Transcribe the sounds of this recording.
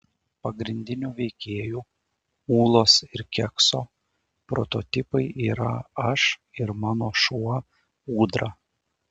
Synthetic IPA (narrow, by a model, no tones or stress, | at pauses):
pɐɡɾʲɪnʲd̪ʲɪnʲuːʋʲɛɪkʲeːjuː | uːlˠoːsɪɾkʲɛksoː | pɾo̰t̪ot̪ʲɪpɐɪʔiːɾɐ̰ɐʃɪɾmɑːnoːʃuɔ | uːd̪ɾɐ